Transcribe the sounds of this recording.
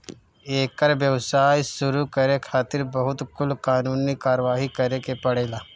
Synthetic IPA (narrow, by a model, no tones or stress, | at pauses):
eːkəɾʋjɐʋsaːjsʊɾukɐɾekʰaːt̪ɪɾbɐɦʊt̪kʊlkaːnuːnikaːɾʋaːɦikɐɾekepɐɽeːlaː